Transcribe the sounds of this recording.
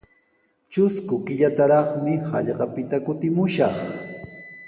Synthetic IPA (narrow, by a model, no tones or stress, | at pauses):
t͡ʃʊskʊkɪʎat̪aɾɑχmɪhɑ̰ʎɢɑpɪt̪akʊt̪ɪmʊʃɑχ